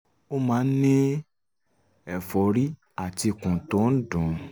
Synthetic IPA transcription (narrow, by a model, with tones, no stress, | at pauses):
o˦mãː˨˦nĩ˦ | ɛ˨fɔ˨˦ɾi˦ | a˦˨ti˧kũ˨tõ˨˦n̩˦dũ˨